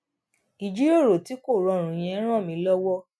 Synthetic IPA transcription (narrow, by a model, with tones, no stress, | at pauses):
i˨d͡ʒi˦o˦˨ɾo˨ti˨˦ko˦˨ɾɔ˨˧˨ɾ̃ũ˨j̃ɛ̃˧˦ɾ̃ã˦˨mĩ˧˦lɔ˦wɔ˦